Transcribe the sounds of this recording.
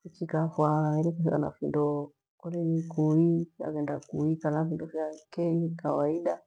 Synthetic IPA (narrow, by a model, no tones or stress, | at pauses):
it͡ʃikafwaɛɾɛkɔsika̰na̰findɔ | kɔlɛnikuifia̰kɛndakuikanafindɔfjakɛɲikawaiɗa